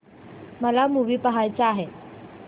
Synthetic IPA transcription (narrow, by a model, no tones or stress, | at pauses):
məlamuʋiːpəɦajt͡saːɦe